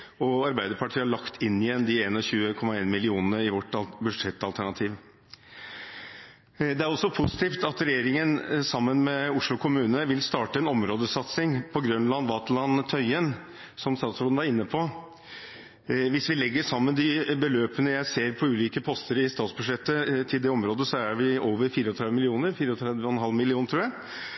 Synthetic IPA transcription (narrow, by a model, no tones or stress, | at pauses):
ɔɑɾbæɪd̪əɾpʰɑʈʰiːəɑɭɑkt̪ʰɪnːɪjɛnd̪ɪeːnɔçʉːəkʰɔmːɑeːnmɪlɪuːnənəɪʋɔʈːbʉʂɛt̪ːɑlt̪ʰæɳɑt̪ʰiːʋ | d̪ɛæɾɔsːɔpʰʊsɪ̥t̪iːft̪ɑt̪ɾɛjeːɾɪŋənsɑmːənmɛʊʂlʊkʰʊmʉːnəʋɪlst̪ɑːʈəɛnɔmɾoːd̪əsɑt̪sɪŋpʰɔɡɾʉnlɑnʋɑt̪lɑnt̪ʰœʏən | sɔmst̪ɑːt̪sɾoːæɾɪnːəpʰɔ | ʋɪsʋɪlɛɡːəʂɑmːənd̪ɪbəløːpənəjæɪseːɾpʰɔʉːliːkəpʰɔst̪əɾəɪst̪ɑːt̪sbʉʂɛt̪ːət̪ʰɪld̪ɛɔmɾoːd̪əsɔæɾʋɪoːʋəɾfiːɾəɔt̪ʰɾɛd̪ʋmɪlɪuːnəɾfiːɾəɔt̪ʰɾɛd̪ʋəɔɛnɦɑlmɪlɪuːnt̪ʰɾuːjæɪ